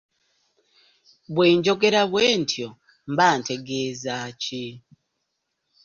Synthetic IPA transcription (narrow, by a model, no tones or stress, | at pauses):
βweːɲd͡ʒo̞k̬eɾaβweːntʰjo | mbanteɡezat͡ʃi